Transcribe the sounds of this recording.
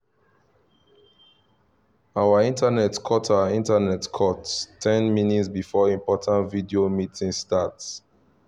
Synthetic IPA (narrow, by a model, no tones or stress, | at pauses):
awaĩntanɛtkʰɔtʰaĩntanɛtkʰɔtstʰɛ̃nminitsbifɔĩmpɔtʰãntvidiomitĩŋstats